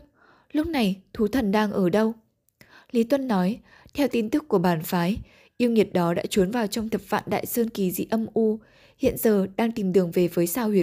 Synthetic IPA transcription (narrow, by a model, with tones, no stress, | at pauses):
lʊ˦˥k͡p̚na˨˩jt̪ʰu˨˦t̪ʰə˨˩nɗaː˧ŋʔəː˧˩ɗə˧w | li˨˦t̪wə˧nːɔ˨˦j | t̪ʰɛ˧wt̪i˧nt̪ɨ˦˥kːu˧˩əɓaː˧˩nfaː˨˦j | ʔi˧əwŋi˨˩ət̚ɗɔ˨˦ɗa̰ː˧˥t͡ɕu˨˦ənvaː˨˩wt͡ɕɔ˧wŋ͡mt̪ʰə˨˩p̚va̰ː˧˨nɗa̰ː˧˨jsəː˧nki˨˩zḭ˧˥ʔə˧mʔu˧ | hḭ˧˨ənzəː˨˩ɗaː˧ŋt̪i˨˩mɗɨ˨˩əŋve˨˩vəː˨˦jsaː˧whwi˧˩ə